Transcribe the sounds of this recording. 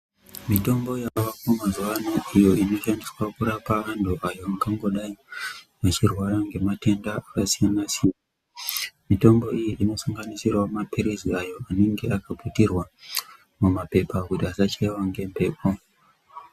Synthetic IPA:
mito̞mbo̞jaʋakomazuʋanoʔijo̞ino̞ʃandiswakuɾapaʋantʰuʔajo̞aŋɡaŋɡo̞ɗai | mat͡ʃirwaɾaŋɡe̞mate̞ndaakasijanasina | mito̞mbo̞ijiʔino̞saŋɡanisirwamapiɾiziajo̞ane̞ŋɡe̞akaputirwa | mumape̞pakutiasat͡ʃaiwaŋɡe̞mpe̞ːpʰo

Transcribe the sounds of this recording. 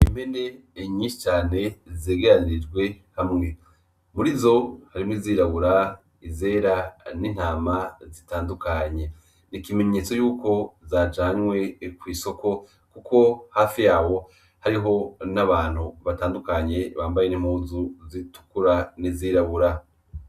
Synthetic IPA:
imbene | ɲiːʃi̥t͡ʃaːne̞zeːɡeɾaniid͡ʒɡwe̞ | hamŋe̞ | muɾizo̞haɾimwiziːɾaβuɾa | ize̞ːɾanin̥aːmazitaːndukaɲe̞ | nikime̞ɲe̞t͡so̞juːko̞zaːt͡ʃaːɲwe̞kwiːso̞ko̞ | kukʰo̞haːfijaːwo̞ | haɾiɦo̞naβaːn̥huβataːndukaɲe̞βaːmbajenim̥huːzuzitu̥kuɾaniziːɾaβuɾa

